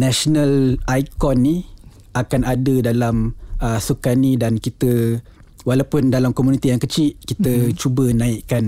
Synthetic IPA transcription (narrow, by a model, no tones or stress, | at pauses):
nasonalajkɔnːi | akanadədalaməsukanidankit̪ə | walawpʊndalamkomunit̪ijaŋkət͡ʃiʔkit̪ət͡ʃubənãiʔkan